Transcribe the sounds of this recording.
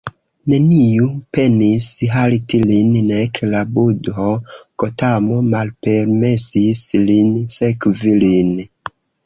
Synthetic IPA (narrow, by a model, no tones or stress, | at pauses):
ne̞nijupe̞nisɦalitilinnekʰlabudɦokotamomalpeɾme̞sislinsekvilin